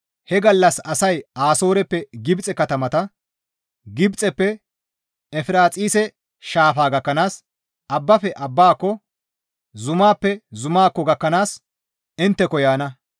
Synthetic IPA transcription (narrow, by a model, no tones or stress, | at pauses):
hɛɡɐlːɐsɐsɐjaːso̞ːɾɛpːɛɡɪbt͡sʼɛkɐt̪ɐmɐt̪ɐ | ɡɪbt͡sʼɛpːɛ | ɛfɪɾaːt͡sʼiːsɛ | ʃaːfaːɡɐkːɐnaːs | ɐbːɐfɛʔɐbːaːkːɔ | zʊmaːpːɛzʊmaːkːɔɡɐkːɐnaːs | ɪnt̪ːɛkɔjaːnɐ